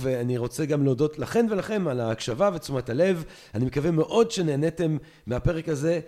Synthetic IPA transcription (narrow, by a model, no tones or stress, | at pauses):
veaniʁo̞t͡seɡamleodo̞tlaχe̞mve̞laχe̞malaːkʃavave̞t͡sumatale̞v | animekave̞me̞ʔo̞dʃe̞ne̞ːnete̞mː | eape̞ʁekaze̞